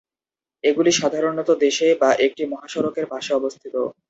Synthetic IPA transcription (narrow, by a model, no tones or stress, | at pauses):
eɡuliʃad̪ʱaɾonɔt̪od̪eʃebaʔek̚ʈimɔɦaʃɔɾokeɾbʱaʃeɔbost̪ʰit̪o